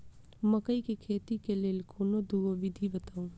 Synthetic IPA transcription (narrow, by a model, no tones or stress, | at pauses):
mɐkəikekʰeːt̪ikeleːlkʰoːnod̪uɡobɪd̪ʱibɐt̪aːũː